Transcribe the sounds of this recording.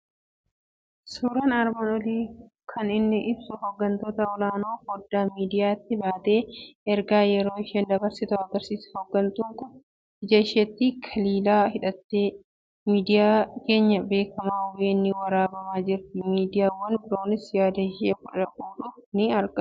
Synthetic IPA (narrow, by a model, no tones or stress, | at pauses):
suːɾɐnɐɾbɐnɔliː | kʰɐnɪnːɪʔɪbsʊhɔɡːɐnt̪oːt̪ɐɔlaːnoːfɔd̪ːaːmiːd̪ɪjaːt̪ːɪbaːt̪e̞ːɛɾɡaːjɛɾo̞ːɪʃeːnd̪ɐbɐɾsɪt̪ɐɐɡɐɾsiːshɔɡːɐnt̪uŋkʊ | hɪd͡ʒɐɪʃeːt̪ːikʰɐliːlaːhɪᶑɐt̪ːeː | miːd̪ɪjaːke̞ːɲːɐbe̞ːkʰɐmaːweːnːɪwɐɾaːbɐmaːd͡ʒɪɾt̪ɪmiːd̪ɪjaːwːɐnbɪɾo̞ːnɪsjaːd̪ɐɪʃeːkʊᶑɐkʼuːᶑʊfnɪɐɾɡɐ